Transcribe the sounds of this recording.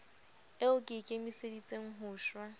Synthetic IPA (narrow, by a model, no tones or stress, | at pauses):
ɪʊkʼɪkʼɪmisedit͡sʼeŋ̩ɦʊːʃwa